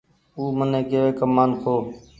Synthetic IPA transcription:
uːmənẽːkeʋeːkəmːaːnkʰoː

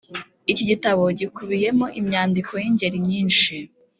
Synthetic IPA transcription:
iciɟitaβo̞ɟikuβije̞mo̞ʔimɲaːndikʰo̞jiɲɟe̞ɾimɲiːnʃi

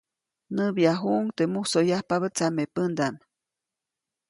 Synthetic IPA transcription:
nəbjaɦuʔuŋt̪emuhsojahpaβət͡samepənd̪am

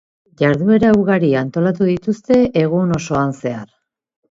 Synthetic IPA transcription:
ʝaɾðue̞ɾauɣaɾiant̪o̞lat̪uðit̪ust̪e̞ʔeɣ̞uno̞so̞anse̞aɾ

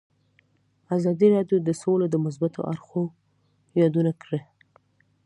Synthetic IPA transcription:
azɑd̪iɾɑɖjod̪əsolad̪əmʊs̬bat̪o̰ʔa̰ɾxo | jɑd̪unakɽə

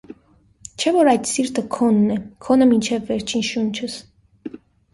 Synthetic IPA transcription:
t͡ʃʰɛvɔɾɑjd̪siɾt̪əkʰɔnːɛkʰɔnəmint͡ʃʰɛvːɛɾt͡ʃʰinʃunt͡ʃʰəs

